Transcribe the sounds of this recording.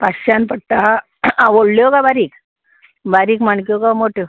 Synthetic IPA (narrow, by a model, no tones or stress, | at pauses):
paɕanpəɽ̚t̪a | aʋoɽljokabaɾiːk | baɾiːkmaɳkjokamoʈʰjo